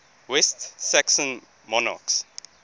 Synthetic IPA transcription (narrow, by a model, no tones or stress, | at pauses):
wɛstsæksə̃n | mɔna̰ks